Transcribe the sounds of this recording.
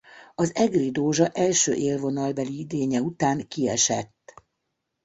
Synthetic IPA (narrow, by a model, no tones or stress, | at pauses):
ɒzɛɡrid̪oːʒɒʔɛlʃø̰ːʔeːlvo̞nɒlbɛliid̪eːɲɛut̪aːŋkiɛʃɛ̰t̪ː